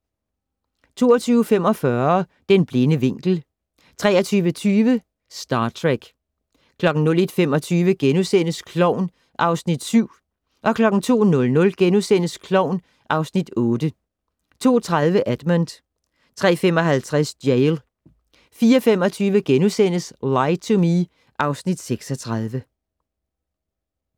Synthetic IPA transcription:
t͡sʰo̝̰ːɒt͡sʰyːʊəfem̰ɒ̽fɶɐ | d̥enb̥le̝nəʋe̝ŋ̰ɡ̥l̩ | t͡sʰʁɛːɐt͡sʰyːʋət͡sʰyːʋə | sd̥ɑ̈ːt͡sʰʁɛɡ̥ | kʰlɒ̽ɡ̥n̩nɔ̽le̝d̥femɒ̽t͡sʰyːʋəɡ̥enusen̰əskʰlɒʊ̰n | ʔɑ̈ʊsnid̥syʊ̰ | ʔɒ̽kʰlɒ̽ɡ̥n̩t͡sʰo̝̰ːnɔ̽lnɔ̽lɡ̥enusen̰əskʰlɒʊn | ʔɑ̈ʊsnid̥ɔ̽ːd̥ə | t͡sʰo̝̰ːt͡sʰʁað̞ˠʋəʔæd̥mənd̥ | t͡sʰʁɛ̰ːfem̰ɒ̽ɦælt͡sʰʁasd̥jeɪl | fiːɒfemɒ̽t͡sʰyːʋəɡ̥enusen̰əslɑ̈ɪt͡sʰomi | ʔɑ̈ʊsnid̥seɡ̥sɒt͡sʰʁɑað̞ˠʋə

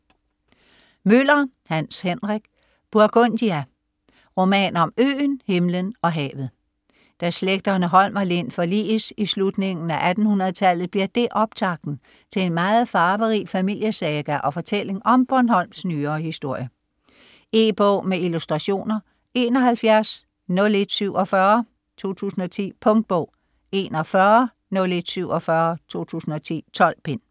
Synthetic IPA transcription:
møl̰ɐ | hænshenʁɛɡ̥ | b̥uɐɡ̥ond̥iæ | ʁo̝mɛ̰ːnɒ̽mø̰ːnhe̝mlənɒ̽ɦɛ̰ːʋð̞̩ˠ | d̥æsleɡ̥̚d̥ɐnəɦɒ̽l̰mæle̝n̰fɒ̽lḭːsislud̥ne̝ŋn̩æʔæd̥n̩hunɐð̞̩ˠt͡sʰælð̞̩ˠb̥liɐd̥e̝ʔɒ̽b̥̚t͡sʰɑ̈ɡ̥̚d̥n̩ | t͡sʰe̝le̝nmɑ̈ːð̩ˠfɑ̈ːʋəʁifæmil̰jəsɛːɡ̥æʔɒ̽fɒ̽t͡sʰel̰e̝ŋɒ̽mb̥ɒnhɒ̽l̰msnyːɐːhisd̥o̝ɐ̰jə | e̝ːb̥ɔ̰ːmeilusd̥ʁɑ̈ɕo̝̰ːnɐ | e̝ːnɒ̽ɦælfjæɐs | nɔ̽le̝d̥syʊ̰ɒ̽fɶːɐ | t͡sʰo̝̰ːt͡sʰṵːsn̩ɒ̽t͡sʰḭːpʰɔ̽ŋd̥̚b̥ɔ̰ʊ̰ | e̝ːnɒfɶːɐ | nɔ̽le̝d̥syʊ̰ɒ̽fɶɐt͡sʰo̝̰ːt͡sʰṵːsn̩ɒ̽t͡sʰḭːt͡sʰɒ̽lb̥e̝n̰

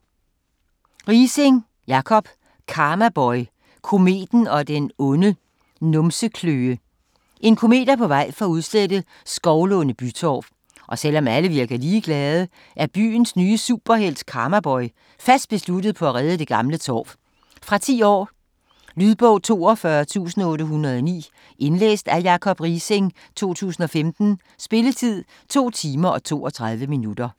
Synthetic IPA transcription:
ʁiːseŋ | jɑ̈kʰɒ̽b̥ | kʰɑ̈ːmæb̥ɒɪ | kʰo̝me̝̰ːd̥n̩ɒ̽d̥enɔ̽nə | nɔ̽msəkʰløːə | ʔe̝nkʰo̝me̝̰ːd̥ɐpʰɒ̽ʋɑ̈ɪ̰fɒ̽uðˠsled̥ə | sɡ̥ɒʊlɔ̽nəb̥yt͡sʰɒ̰ːb̥ | ʔɒ̽sel̰ɒ̽mæləʋiɐɡ̥ɐliːɡ̥lɛð̞ˠə | ʔæɐb̥y̰ːnsnyːəsuːb̥ɐhel̰skʰɑ̈mɐb̥ɒ̽ɪ | fæsd̥̚b̥e̝slud̥ð̞̩ˠpʰɒ̽æʁɛð̞ˠəd̥e̝ɡ̥ɑ̈mlət͡sʰɒ̰ːb̥ | fʁɑ̈t͡sʰḭːɒ̰ː | lyðˠb̥ɔ̽ʊ̰t͡sʰo̝̰ːɒfɶɐt͡sʰṵːsn̩ɔ̽ːɾ̥əɦunɐð̞ˠɒnḭː | ʔe̝nlḛːsd̥æjɑ̈ːkʰɒ̽b̥ʁiseŋ | t͡sʰo̝̰ːt͡sʰṵːsn̩ɒ̽femd̥n̩ | sb̥e̝lət͡sʰið̰ˠ | t͡sʰo̝̰ːt͡sʰiːmɐʔɒ̽t͡sʰo̝̰ːɒ̽t͡sʰʁɑ̈ð̞ˠʋəminud̥ɐ

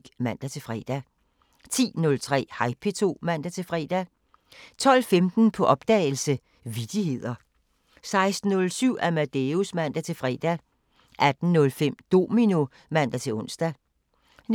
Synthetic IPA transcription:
ɡ̥mæn̰d̥æt͡sʰe̝lfʁɛ̰ːd̥æ | t͡sʰḭːnɔ̽lt͡sʰʁɛ̰ːhɑ̈ɪpʰe̝t͡sʰo̝̰ːmæn̰d̥æt͡sʰe̝lfʁɛ̰ːd̥æ | t͡sʰɒ̽l̰femd̥n̩pʰɒ̽ʔɒ̽b̥̚d̥ɛ̰ːl̩sə | ʋid̥ihe̝ð̰ˠɐ | sɑ̈ɪsd̥n̩ːɔ̽lsyʊ̰æmæd̥eusmæn̰d̥æt͡sʰe̝fʁɛ̰ːd̥æ | ʔæd̥n̩nɔ̽lfem̰d̥o̝̰ːmino̝ | mæn̰d̥æt͡sʰe̝lɔ̽n̰sd̥æ | n

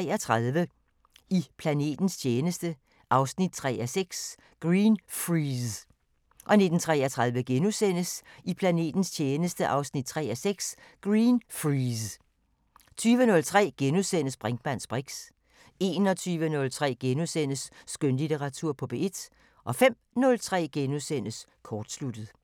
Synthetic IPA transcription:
ɛɒt͡sʰʁɑðˠʋə | ipʰlæne̝̰ːd̥n̩st͡ɕʰeːnəsd̥ə | ʔɑ̈ʊsnid̥̚t͡sʰʁɛ̰ːæseɡ̥s | ɡ̥ʁiːnfʁis | ʔɒ̽ne̝d̥n̩t͡sʰʁɛ̰ɒt͡sʰʁɑ̈ðˠʋəɡ̥enusen̰əsipʰlæne̝̰ːd̥n̩st͡ɕʰeːnəsd̥əʔɑ̈ʊsnid̥̚t͡sʰʁɛːæseɡ̥s | ɡ̥ʁiːnfʁ | t͡sʰyːʋənɔ̽lt͡sʰʁɛ̰ːɡ̥enusen̰əsb̥ʁɛŋɡ̥mæn̰sb̥ʁeɡ̥s | e̝ːnɒ̽t͡sʰyːʋənɔ̽lt͡sʰʁɛ̰ːɡ̥enusen̰əsːɡ̥ønlit͡seʁɑ̈t͡sʰuɐ̰pʰɒ̽b̥e̝e̝d̥ | ʔɒ̽fem̰ | nɔ̽lt͡sʰʁɛ̰ːɡ̥enusen̰əs | kʰɒːd̥slud̥əð̩ˠ

